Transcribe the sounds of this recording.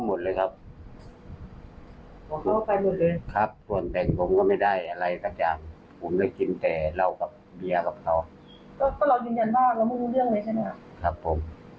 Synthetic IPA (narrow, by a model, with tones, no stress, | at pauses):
a˧mo˨t̪̚lɤː˧jkʰa˦˧˥p̚ | bɔː˧˦kʰa˧wpa˨˧jmo˨˩t̪̚lɤː˧jkʰa˧˦˥p̚t̪u˨˩ənt̪ɛ˨˩ŋpʰo˧˦mkɔ˧˩ma˧˩jda˥˩jʔa˧la˧jt̪a˧k̚t͡ɕaː˨˩ŋ | pʰuː˨˩˦mla˧˩jki˧nt̪ɛː˨˩la˧˩wka˨˧˦p̚bi˧ɐka˧p̚kʰa˧w | kɔː˧˩kɔː˧˩la˧wjɯː˧˩˨nɲa˧˨nbaː˥˩ŋka˧˩mɯ˧˥˩uː˧lɯ˥˩əŋda˧˩jt͡ɕʰa˧˩na˧˩a˧˩ | kʰa˦pʰːo˨˦m